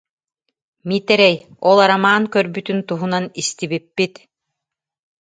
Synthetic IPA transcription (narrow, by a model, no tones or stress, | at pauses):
mit̪ɛɾɛjɔlˠaɾamaːŋkœɾbyt̪ynt̪uɦunanist̪iβipːit̪